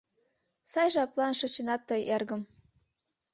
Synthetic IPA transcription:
sɑjʒɑplˠɑnʃɤ̆t͡ɕɤ̆nɑt̪ːɤjerɡə̆m

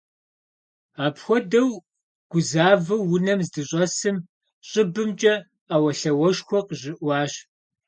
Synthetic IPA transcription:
aːpxʷɔdɐw | ɡ̥ʷʊzaːvɐwːʊnɐmzdɨɕʼɐsɨm | ɕʼəbɨmt͡ʃʼɐ | aːwɐɬɐwɐʃxʷɔqʑɪʔwɑːɕ

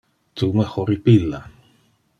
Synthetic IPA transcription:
t̪umexoɾipila

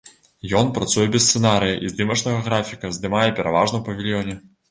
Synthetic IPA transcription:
jɔnpɾat̪sujɛbʲɛst̪sɛnaɾɨjɐʔizd̪ɨmɐt͡ʂnɐɣɐɣɾafʲikɐzd̪ɨmajɛpʲɛɾʔa̰vaʐnɐwpɐvʲilʲjɔnʲɛ

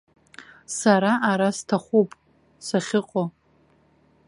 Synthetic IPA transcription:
saɾaʔaɾastʰaχʷupʼ | saχʲɪqʷʼo

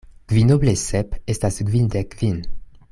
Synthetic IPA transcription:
ɡ̥vinoblesɛpest̪asɡvind̪ekvin

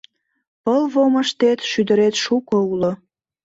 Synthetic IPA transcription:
pəlβoməʃt̪et̪ʃyd̪ə̆ɾet̪ʃukoulo

